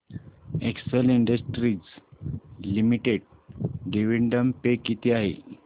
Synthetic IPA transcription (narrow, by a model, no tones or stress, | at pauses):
ekseliɳɖəsʈɾiːd͡z | limiʈeɽ̚ɖeʋiɳɖəmpekit̪ʰiaɦḛ